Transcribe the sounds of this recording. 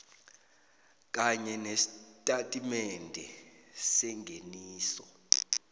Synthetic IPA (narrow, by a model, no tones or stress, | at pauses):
k̬ʼaɲɛnesitʼatʼimɛndʱɛsɛŋɡʱeniːsɔ